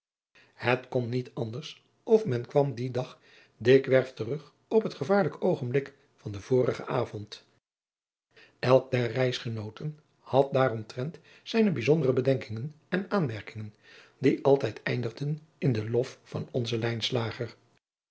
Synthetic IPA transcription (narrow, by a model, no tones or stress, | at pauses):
hətkɔnːitɑndəɹs | ɔfmɛnkʋɑmdidɑχ | dɪkʋɛɹftərɵχ | ɔpɦətχəvaːɹləkowχənblɪk | fɑndəv̥ʊːɾəχə̰aːvɔnt | ɛlˠk̚dɛrɛjsχənowtən | hɑt̚daːrɔmtrɛnt | sɛjnəbizɔndərəbədɛŋkɪŋən | ɛnaːnmɛɹkɪŋən | diʔɑlˠtɛjtʰɛjndəχdən | ɪndəlɔffɑ̰nɔnzəlɛjnslaːχər